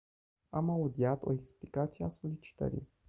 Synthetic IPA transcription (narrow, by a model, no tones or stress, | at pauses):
amaud̪iat̪o̞̰eksplikat̪sijeaso̞lit͡ʃi̥t̪ə̰ɾḭj